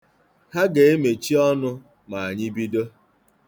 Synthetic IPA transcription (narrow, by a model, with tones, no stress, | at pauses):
ha˦ɡe˨e˦me˨t͡ʃi˦ɔ˦nʊ˦ | ma˨a˨ɲɪ˦bi˦do˦